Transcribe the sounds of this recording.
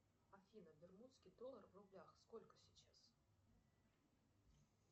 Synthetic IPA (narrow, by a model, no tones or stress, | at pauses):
ɐfʲinəbʲɪrmut̪skʲɪjd̪olˠərvrʊblʲaxskolʲkə̥sʲɪt͡ɕas